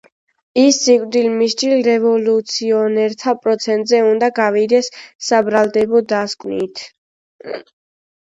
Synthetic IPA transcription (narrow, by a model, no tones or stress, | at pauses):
isːikʼɾd̪ilmiʃt͡ʃʼilɾɛvɔlut̪sʰiɔnɛɾt̪ʰapʼɾɔt̪sʰɛnt̪ʼzɛund̪aɡavid̪ɛsːabɾalˠd̪ɛbɔd̪askʼwnit̪ʰ